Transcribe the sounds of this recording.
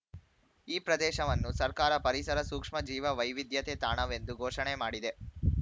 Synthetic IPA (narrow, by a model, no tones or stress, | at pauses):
iːpɾɐd̪ɛːʃɐʋɐnːusɐɾkaːɾɐpɐɾisɐɾɐsuːkʂmɐd͡ʒiːʋɐʋɐjʋid̪jɐt̪eːt̪aːɳɐʋe̞nd̪uɡʱoːʂɐɳemaːɽid̪e̞